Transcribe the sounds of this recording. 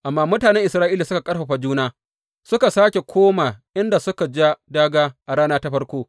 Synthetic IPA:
ʔa˨mːaː˦mʊ˦taː˨nɛ˦ŋʔɪ˨sɾaː˦ʔiː˦laː˨sʊ˦ka˨kʼɐ˦ɽɸa˨ɸa˨d͡ʒuː˦naː˦ | sʊ˦ka˨saː˦kʲe˨kʷʰoː˦ma˨ʔɪ˦nda˨sʊ˦ka˨d͡ʒa˦daː˦ɡaː˦ʔa˨ɽaː˦naː˦ta˦ɸɐ˦rkʷoː˦

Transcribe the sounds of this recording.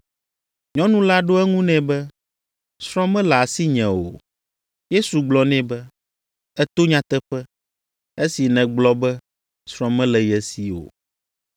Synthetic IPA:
ɲɔ̃˦nũ˦la˦ɖo˦ɛ˦ŋũ˦nɛ̃˨bɛ˦ | sɾɔ̃˦mɛ̃˦lɛ˨a˨si˦ɲɛ̃˨wo̰˨ | je˦su˨ɡ͡blɔ˦nɛ̃˦bɛ˦ | ɛ˦t̪o˦ɲã˦t̪ɛ˦ɸɛ˦ | e˦si˨nɛ̃˨ɡ͡blɔ˦bɛ˦ | sɾɔ̃˦mɛ̃˦lɛ˨jɛ˨si˨o̰˨

